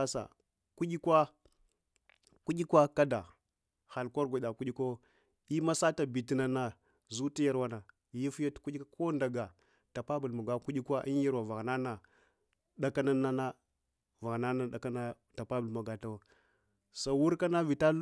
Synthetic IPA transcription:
a˦sa̰˨ | ku˦d͡ʒi˦kwa˦ | ku˦d͡ʒi˦kwa˦ka˦da˨ | ha˨lko˦ɾɡʷa˨ɗa˨ku˦i˦ko˦ | i˦ma˦sa˦ta˨bi˨ti˦na˨na˨ | zu˦ti˦ja˦ɾwa˦na˨ | ji˦fja˦tku˦i˦ka˦kʰo˦nda˨ɡa˨ | ta˨pa˦bu˨lma˨ɡa˦ku˦i˦kʷa˦ʔḭ˦nji˦ɾwa˨va˨ɣna˦na˨ | ɗa˦ka˦na˦na˦na˦ | va˨ɣna˦na˨ɗa˨ka˦na˦ | ta˨pa˦bu˨lma˨ɡa˨ta˦˨˦ | sa˨˦wu˦ɾka˦na˦vi˨ta˦

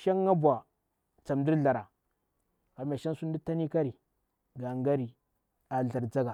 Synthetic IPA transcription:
ʃa˦ŋː˦a˦bwa˨ | t͡sa˨mdi˦ɾɮa˨ɾa˨ | ka˨ma˨ʃa˦n˦su˦n˦di˦ta˦ni˦ka˦ɾi˨ | ɡa˨ŋɡa˦ɾi˨ | a˨ɮa˨ɾd͡za˦ɡa˨

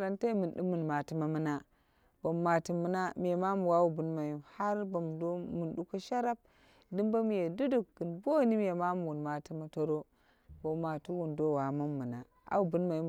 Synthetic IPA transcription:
ɾa˨nta˦i˦mɨ˨nɗu˦mu˨nma˨ti˦ma˦mɨ˦na˦ | b̥o˨mːa˨ti˨mu˦na˦mi˨je˨ma˦mu˨wa˨˦wu˨bu˨˦nma˨ju˦ha˦ɾbo˨mdo˦mu˨nɗu˦ko˦ʃa˦ɾa˦b̚ | dɨ˦mba˦mi˨je˨du˦du˦˨k̚ɡɨ˨nbo˦˨ni˦mi˨je˨ma˦mu˨wu˨nma˨ti˦ma˦to˦ɾo˦ | bo˨˦mːa˨tu˦wu˨ndo˦wa˨mu˦mːɨ˨na˨ | a̰˦wu˨bu˦nma˨ju˦˨

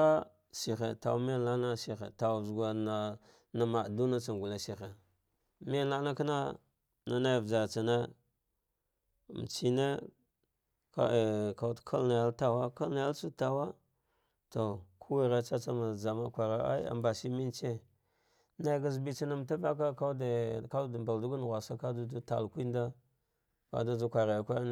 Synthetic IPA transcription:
a˦ | si˨xḛ˨ta̰˨wmi˦la˦na˦si˨xḛ˨ta˨wzɡʷa˨na˨ | na˨ma˨du˦na˦t͡sa˨ŋ˨ɡu˨la˨si˨xe˨ | mi˦la˦na˦ka˦na˦ | na˦na˦jvd͡ʒa˨ɾt͡sa˨na˦ | m˨t͡ʃi˦ne˦ | ka̰˨ka˨u˦tkʰa˦lna˨ja˦lta˨wa˦ka˦lna˨ja˦lsu˦ta˨wa˦ | to˨kʰu˦wi˦˨ɾa˦t͡ʃa˦t͡sa˦ma˨za˨ma˦kʷa˨ɾa˦a̰˦a̰˨mba˨si˦mi˦nt͡ʃe˦ | na˦˨ɡa˦zbi˦t͡ʃa˦na˨˦m˨ta˦va˦k̬a˦ka˦dka˦dba˨ldu˦ɡu˦n˨ɣʷa˨sa˦ka˦du˦du˦ta̰˨lkʷi˦nda˦ | ka̰˦du˦d͡zu˦kʷa˨ɾa˨ja˨kʷa˦n˦

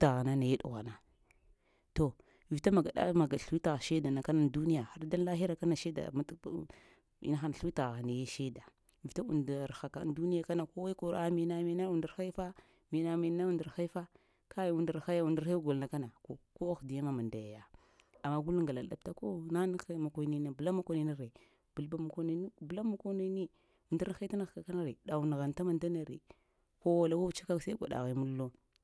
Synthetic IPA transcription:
ta˨ɣa˨na˦na˨je˦ɗṵ˨ɣa̰˨na˨ | to˨ | i˨vta˦ma˨ɡa˨ɗa̰˦ma˨ɡa˨ɬu˦wi˦ta˨ɣʃe˦da˨na˨ka˦na˨ndu˦ni˦ja˨ha˦ɾda˦n˦la˦ɦi˦ɾa˨ka˦na˨ʃe˦da̰˨ma˦t | ḭ˦na˦xa˦na˨ɬi˦ta˨ɣa˨na˨je˦ʃe˦da˨ | vta˦ṵ˨nda˨ɾxa˨ka˨˦n˦du˦ni˦ja˦ka˦na˨ko˦wa˦i˦ko˨ɾa˦mi˨˦na˦mi˨na˦u˨di˨˦xa˦fa˦ | mi˨na˦mi˨˦na˦u˦nda˨ɾxa˦i˦fa˦ | kʰa˦ju˨ndi˨ɾxa˦ja˦u˨ndi˨ɾa˦ɡo˨lna˨ka˦na˨ko˦ko˦a˦xdi˨ja˦ma˦ma˨nda˨ja˨ja˨ | a˨ma˦ɡu˦lu˦ŋɡa˨la˨da̰˨p̚ta˦ko˦na˦n˦xma˨ko˨˦ni˦na˨bla˦ma˨ko˨˦ni˨˦ni˦ɾe˨ | bu˨lba˦ma˨ko˦na˨˦i˦˨bla˦ma˨ko˦na˦ni˦ | u˨nda˦ɾxa˦ta˦na˨xka˨ka˦na˦ɾe˨ɗa˨u˨n˨ɣa˨nta˦ma˨nda˦na˨ɾḭ˨ | ko˦wa˨la˦wa˦t͡ʃa˦ka˦˨sa˦i˦ɡʷa̰˨da̰˨ɣi˨mu˦lːo˦

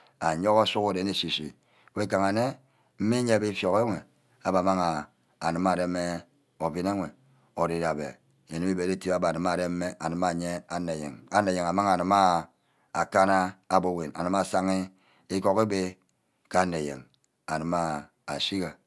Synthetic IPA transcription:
a˨ɲo˦ka˦su˦ko˦˨de˨˦ne˨si˨sḭ˨ | we˦ka˨ŋa˨ne˦ | m̩˦mi˦ɲe˦be˦fjo˨ɣe˦ŋʷe˨ | a˦ba˨ma˦ŋa˨ | a˨nɨ˨ma˨de˦me˦ | o˨vi˦ne˦ŋʷe˨ | o˨de˨ɾa˨bḛ˨ | e˨ni˦i˦be˨ɾe˦ti˦ba˦ba˨nɨ˨ma˨de˦m̩˦me˦a˨nɨ˨˦ma˦˨ɲe˦a˨ne˨jḛ˨ŋa˦ne˨je˨ŋ˨a˨ma˦ŋa˨nɨ˨ma˦ | a˨ka˦na˦a˨bo˦˨we˨na̰˨nɨ˨ma˦˨sa˦ŋi˦ | i˦ko˦ke˦be˦ | ka˦nːe˨jḛ˨ŋ | a˨nɨ˨˦ma˦ | a˨si˦ɣa˨

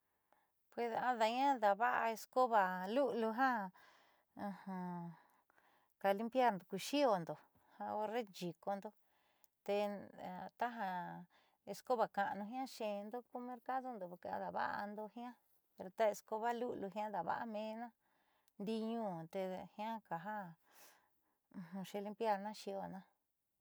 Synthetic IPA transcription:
pwe˧sa˧ða˧ɲã˦ða˨βa˦ʔa̰˧e˧sko˦βa˨lu˦ʔlu˧ɦã˦˧ | hã˧ | ka˧li˦mpja˦ɾnd̪o˨ku˧ʃi˦o˨nd̪o˨ | hã˧o˧re˦nd͡ʒi˨ko˧nd̪o˧ | t̪e˧ | t̪a˦ɦa˧ | e˧sko˦βa˧ka˨ʔnũ˧ɦj̃ã˦ʃẽ˧nd̪o˦ku˦mẽ˦ɾka˦ðo˦nd̪o˨˧ka̰˧ða˨βa̰˦ʔa̰˧nd̪o˧hĩ˦ã˦ | pe˧ɾo˧t̪a˦e˧sko˧βa˦lu˦ʔlu˧ɦã˦ða˨βa̰˦ʔa˦mẽː˧˦nã˦ | nd̪i˧ɲũː˦t̪e˧hĩ˦ã˦ka˨ɦa˦ | ũ˧hũ˧ʃẽ˧li˧˦mpja˦ɾnã˦ʃi˧o˧˨nã˦

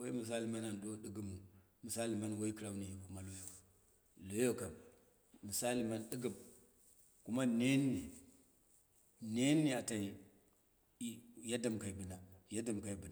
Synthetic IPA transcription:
wo˦i˦mi˨s̬a˦li˨ma˦na˨n˨do˦ɗɨ˦ɡu˦mu˨ | mu˨sa˦li˨ma˦nwo˦i˦kɾa˦u˦ni˨ji˨ku˦ma˦lo˦jo˦ka˨ | lo˦jo˦ka˨m | mi˨sa˦li˨ma˦nɗɨ˦ɡə˨m | ku˦ma˦ne˦nː˦i˨ | ne˦nːi˦a˨ta˨i˨˦ | ja˦da˨mka˨i˨bɨ˨na˨ja˦da˦˨mka˨i˨bɨ˨na˨

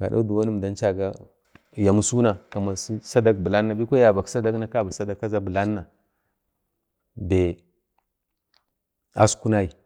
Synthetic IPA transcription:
ka̰˨da˦du˨wa˦nu˦m˨da˦nt͡ʃa˦ɡa˦ | ja˨mu˦su˦na˨ka˨ma˨si˦sa˦da˦kbi˨la˦nːa˨bi˦ko˦ja˨ba˨ksa˦da˦kna˦ka˦ba˨sa˦da˦˨kːa˦za˦bə˨la˦nːa˨ | be˨ | a̰˦sku˦na˦i˨

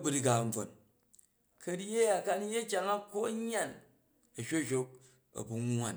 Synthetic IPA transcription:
bu˦ɾi˦ɡa˨m̩˨b͡vo̰˨n | kɐ˨˦ɾje˦ja˨ka˦ni˦je˦k̬ʲa˦ŋa˦ko˦ɲ˦a˦˨n | ɐ˨ʃʲo˦˨ʃʲo˦k̚ | ɐ̰˨bu˨ŋ˦a˨n

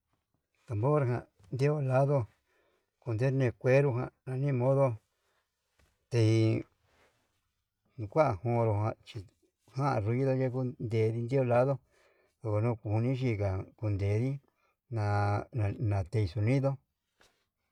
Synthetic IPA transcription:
t̪a˨mbo˦ɾa˧˨ɦã̰˧˨ | nd̪e˦o˧la˦ðo˧ | ku˧nd̪e˦ɾnẽ˧kʷe˦ɾu˧ɦã̰˧nã˧nĩ˦˧mõ˦ðo˦ | t̪e˧i˧ | nũ˧kʷa˦a˧˨hõ˧˨˧ɾo˧hã˧t͡ʃi˧ | hã˦ʔa̰˧˨ɾu˧ji˦ðo˧d͡ʒe˦ku˦nd̪e˧˨˧ði˧nd̪i˦o˧la˦ðo˦ | ðo˧ko˧nũ˦˧ku˧˨u˧nĩ˦ʃ̬i˧ka˨ku˧nd̪e˨˧ði˦ | nã˧ã˧nã˨t̪e˧i˧su˧nĩ˦ðo˦

